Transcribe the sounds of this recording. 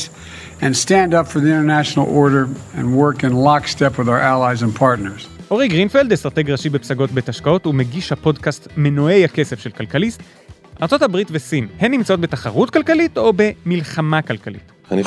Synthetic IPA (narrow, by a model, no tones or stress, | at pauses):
ɨ̃nstæ̃ndʌpfə˞ðiɪ̃ñtə˞næʃn̩l̩ˠɔɹɾə˞ɨ̰̃nwɜ˞kɨ̃nlɑkstɛpwəðaʊə˞ælˠaɪzɨ̃npʰɑɹtⁿnə˞z̥ʔo̞ʁiɡʁinfeld̪estʁateɡʁaʃibepsaɡo̞t̚betaʃkao̞tumeɡiʃhapo̞dkastme̞noe̞jhake̞se̞fʃelkalkalist | ʔa̰ʁt͡sothabʁitvesinhenːimt͡sao̞tbetaχaʁutkalkalito̞be̞milχamakalkalḭt